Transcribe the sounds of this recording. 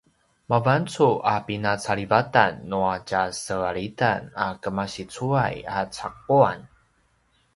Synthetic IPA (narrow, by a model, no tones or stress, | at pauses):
mavant͡suʔapinat͡saɭivata̰nːuacasəaɭitanakəmaɕit͡sua̰jat͡sa̰k̚uan